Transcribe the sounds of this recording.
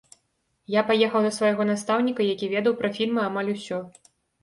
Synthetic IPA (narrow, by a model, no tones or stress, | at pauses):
japajɛxɐwd̪ɐsvajɣɔnast̪awnʲikɐjakʲivʲɛd̪ɐwpɾɐfʲilʲmɨamalʲusʲɔ